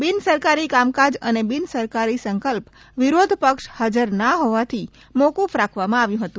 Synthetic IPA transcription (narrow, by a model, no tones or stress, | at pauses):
binsəɾkaɾikamkad͡ʒə̰nebinsəɾkaɾisəŋkəlp | ʋiɾod̪ʱpəkʃhad͡ʒəɾnaɦoʋat̪ʰi | mokufɾakʰʋamãaʋjũɦət̪ũ